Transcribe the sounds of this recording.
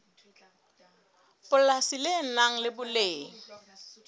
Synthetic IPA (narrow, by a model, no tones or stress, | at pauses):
pʊlasilenaŋ̩lɪbʊleːŋ̩